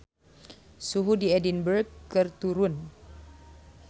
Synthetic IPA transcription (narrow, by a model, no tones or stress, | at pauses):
suɦudiɛdinbərɡkɨrt̪uɾʊn